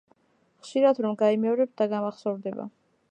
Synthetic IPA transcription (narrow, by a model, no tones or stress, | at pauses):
χʃiɾad̪ɾɔmɡaimɛɔɾɛp̚t̪̚d̪aɡamaχsɔvɾd̪ɛba̰